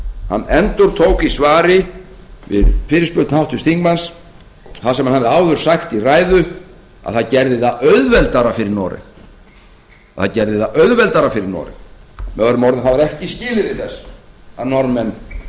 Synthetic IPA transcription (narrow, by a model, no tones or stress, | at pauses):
ha̰nːɛnt̪ʊɾ̥t̪ʰoːwkisvaːɾɪ | vɪ̰ðfɪːɾɪspʏɾt̪nhawht̪ʏst̪iŋkmans | θasɛmanhavðɪawðʏɾ̥saxt̪iraːjðʏ | a̰ðθaðcɛɾðɪθaʔœɥðvɛlt̪aɾafɪɾɪɾnɔːɾɪ̰m | aðθacɛɾðɪθaʔœɥðvɛlt̪aɾafɪɾɪɾnɔ̰ːɾɪ̰nmɛðvaɾʏmɔɾðɪθavaɾɛhcɪscɪːlɪɾvɪðθɛsːaðnɔɾmɛnː